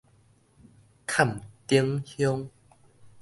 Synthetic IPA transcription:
kʰa˥˨mt̪i˦əŋhjɔ˦ŋ

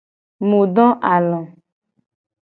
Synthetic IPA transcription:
mo˨ɖɔ̃˦ʔa˨lɔ̃˨

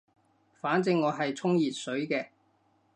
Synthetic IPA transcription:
faː˨˥nt͡sɪ˧ŋːɔː˨˧ɦɐ˨jt͡sʰʊ˥ŋjiː˨˩t̚sɵ˨˥ɥkɛː˧

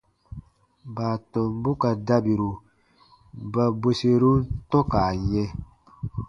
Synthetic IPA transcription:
baː˨tɔ̃˨mbu˦ka˨da˦bi˨ɾu˨ | ba˧be˦se˧ɾu˦ntɔ˦ka˨ɲɛ̃˧

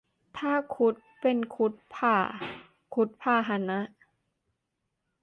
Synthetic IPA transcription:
t̪ʰaː˥˩kʰu˦˥t̪̚pe˨nkʰu˦˥t̪̚pʰaː˧˩ | kʰu˦˥t̪̚pʰaː˧˥˩ɦa˧˥na˦˥ʔ

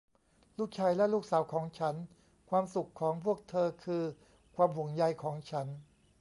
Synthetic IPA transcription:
luː˥˩k̚t͡ɕʰaː˧jlɛ˦˥˩luː˥˩k̚saː˩˦wkʰɔː˩˦ŋt͡ɕʰa˦˥n | kʰwaː˧msu˨˩kʰːɔː˩˦ŋpʰu˥˩ək̚t̪ʰɤː˧kʰɯː˧ | kʰwaː˧mhu˩˦ŋja˧jkʰɔː˩˦ŋt͡ɕʰa˦˥n

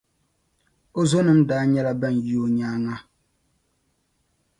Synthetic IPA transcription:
o˦zo˦nɨ˦mdaː˦ɲɛ˦la˦ba˦˨n˨ji˦o˦ɲaː˦ŋa˦

